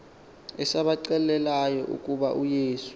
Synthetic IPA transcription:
ɛsaɓaǀɛlɛlajɔʔṵkʼuɓaʔujeːsu̥

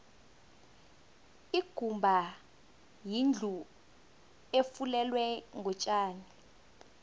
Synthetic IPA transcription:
iɡ̥ʱumbʱa | jind͡ɮʱu | efulɛlwɛŋʱɔt͡ʃʼaːni

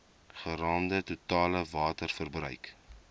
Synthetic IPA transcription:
χəɾɑːndətutɑːləvɑːtərfərbrœ̰ɥk

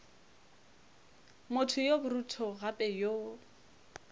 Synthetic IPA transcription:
motʰʊjobʊrutʰɔɣapʼɛjo

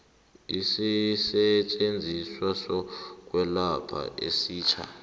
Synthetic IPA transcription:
isisɛt͡ʃʼend͡zʱiswasɔk̬ʼwɛlapʰa̰ʔesiːt͡ʃʰa̰

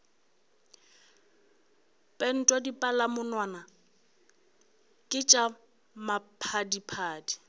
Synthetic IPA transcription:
pʼɛn̩tʼwɔdipʼalamʊnwaːna | kʼɪt͡ʃʼa | mapʰadipʰaːdi

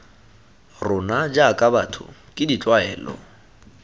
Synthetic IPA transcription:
rʊnad͡ʒakʼabatʰʊ̰kʼɪdit͡ɬʼwaɛːlɔ̰

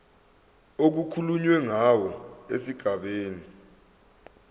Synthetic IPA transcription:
ok̬ukʰuluɲwɛŋawɔḛsiɡ̥ʱaɓeːni

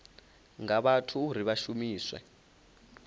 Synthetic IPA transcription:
ŋaɓatʰuːɾ̤iβaʃumiːswɛ̰

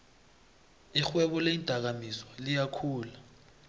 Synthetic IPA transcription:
ixwɛɓɔleintʼak̬amiswɔlijakʰuːla

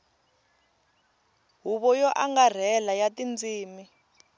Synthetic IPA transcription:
ɦuβɔjɔʔaŋɡar̤ɛlajatind͡ziːmi

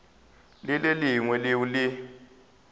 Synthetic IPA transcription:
lɪleliŋwɛlɪwulɪ

